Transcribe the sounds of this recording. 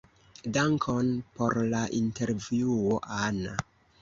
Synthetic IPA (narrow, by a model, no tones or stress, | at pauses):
daŋkʰonpo̞ɾlaʔinte̞ɾvuoʔana